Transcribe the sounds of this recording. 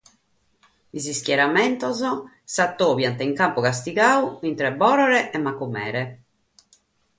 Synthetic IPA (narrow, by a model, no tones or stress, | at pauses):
isiskjɛɾamɛnt̪ɔzɔ | sat̪ːoːvjant̪ɛiŋkampɔkas̬t̪iɡaːuint̪ɾɛbɔːɾɔɾɛʔɛmːakːumɛ̰ːɾɛ